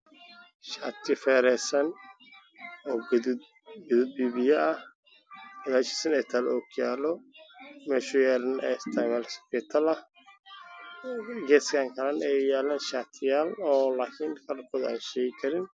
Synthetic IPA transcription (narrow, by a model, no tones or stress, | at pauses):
ʃaːt̪ʰɪfɛːɾɛsɐn | ɔːɡ | ɡðʊd̪̚biːβɪjɐɐh | ɐðaːt͡ʃi̥sɐnɛːt̪ʰaːlɔːkʰjaːlɔ | mɛːʃʊjɛːɾɐnɛ̰st̪ʰamɐlspɪt̪ʰɐlɐ | ɡɛːskʰaŋkʰɐlɐnɛjaːlaːnʃaːt̪ʰɪjaːlɔːlaːkʰɪnkʰaːrkʰɔːða̰ːnʃɛjɪkʰɐɾɪn